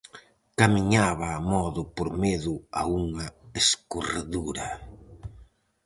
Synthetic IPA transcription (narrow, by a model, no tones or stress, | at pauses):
kamiɲaβɐːmɔðʊpoɾmeðʊa̰uŋɐeskoraðuɾɐ